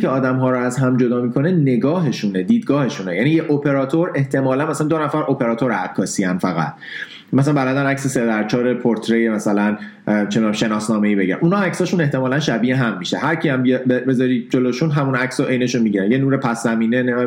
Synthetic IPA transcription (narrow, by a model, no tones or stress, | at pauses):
eɒːd̪æmɦɒːɾɔæzɦæmd͡ʒo̞d̪ɒːmiːkʰo̞ne̞ne̞ɡɒːɦe̞ʃuned̪iːd̪̚ɡɒːhe̞ʃunejæniːjeʔopʰe̞ɾɒːt̪ʰoɾe̞ht̪ʰe̞mɒːlænmæsælænd̪onæfæɾopʰe̞ɾɒːt̪ʰoɾæ̰kʰːɒːsiænfæɣæ̰t̪ʰ | mæsælæmbælæd̪ænæcsesed̪æɾt͡ʃʰɒːɾepʰoɾt̪ʰɾejemæsælæn | t͡ʃʰeʃe̞nɒːsnɒːme̞iːbe̞ɟiɾæ̰nʔuːnhɒæcsɒːʃune̞ht̪e̞mɒːlænʃæbiːeɦæmːiʃehæɾcʰiæmbibebe̞zɒːɾiːd͡ʒoloʃunɦæmunæcsoʔejne̞ʃunmiɟiɾænjenuːɾepʰæsːæmiːnene